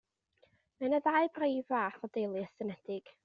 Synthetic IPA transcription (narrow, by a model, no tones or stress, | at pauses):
mɛnəðaɨbrejvaːθɔdejlˠɨəsənɛd̥ɪɡ̥